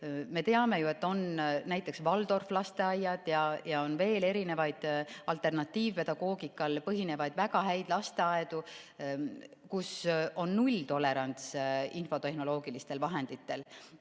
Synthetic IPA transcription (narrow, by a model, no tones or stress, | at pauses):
me̞t̪e̞ɑme̞jue̞t̪ːo̞nnæjt̪ːˑe̞ksvɑld̪̥o̞rflɑst̪e̞ɑjːɑd̪̥jɑjɑo̞nve̞ːle̞ɾine̞vɑjd̪̥ɑlt̪ˑe̞rnɑt̪ːˑiːvpe̞d̪̥ɑɡ̥o̞ːɡikːˑɑlpɤɦine̞vɑjd̪̥væɡɑɦæjd̪̥lɑst̪e̞ɑed̪̥u | kuso̞nːulʲt̪o̞lːe̞ɾɑnt̪sinfo̞t̪e̞hno̞lo̞ːɡ̥ilist̪e̞lvɑɦe̞nd̪̥it̪ːe̞l